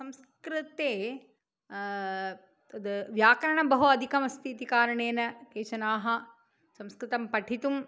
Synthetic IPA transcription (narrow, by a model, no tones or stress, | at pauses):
sɐ̃ms | kɾɨt̪eː | ɐd̪ɨʋjaːkɐɾɐɳɐbɐɦuɐd̪ʱikɐmɐst̪ʰit̪ikaːɾɐɳeːnɐkeːʃɐnaːɦɐ | sɐmskɾɨt̪ɐmpɐʈʰit̪um